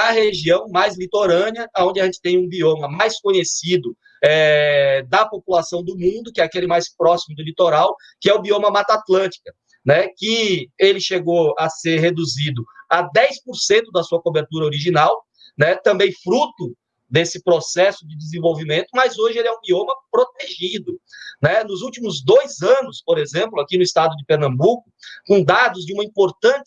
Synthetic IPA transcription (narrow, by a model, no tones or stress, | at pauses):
ɐɦeʒiɐ̃w̃majzlit̪oɾɐ̃niɐaõnd͡ʒɪɐʒẽnt͡ʃɪ̥t̪ẽj̃ũbiõmɐmajskõɲesid̪ʊ | ɛd̪ɐpopulasɐ̃w̃d̪ʊmũnd̪ʊkɪɛakelɪmajspɾɔsimʊd̪ʊlit̪oɾaw | kɪɛʊbiõmɐmat̪at̪lɐ̃t͡ʃi̥kɐ | nɛkɪelɪʃeɡoɐseɾɦed̪uzid̪ʊɐd̪ɛjspoɾsẽnt̪ʊd̪ɐsuɐkobeɾt̪uɾɐoɾiʒinaw | nɛt̪ɐ̃mbẽj̃fɾut̪ʊ | d̪esɪpɾosɛsʊd͡ʒ̪ɪd͡ʒ̪ɪzẽvowvimẽnt̪ʊmɐjzoʒɪelɪɛũbiõmɐpɾot̪eʒid̪ʊnɛnʊzuwt͡ʃimʊzd̪ojzɐ̃nʊspoɾezẽmplʊakinʊist̪ad̪ʊd̪ɪpeɾnɐ̃mbukʊkõd̪ad̪ʊzd͡ʒɪũmɐĩpoɾt̪ɐ̃t͡ʃɪ